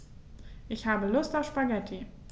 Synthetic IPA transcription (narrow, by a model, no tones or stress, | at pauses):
ʔɪçhaːbəlʊstaʊfʃpaɡɛtʰi